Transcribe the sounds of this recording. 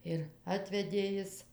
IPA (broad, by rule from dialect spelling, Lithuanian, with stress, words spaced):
ɪr ˈɑːtʲʋʲɛdʲeː ˈjɪs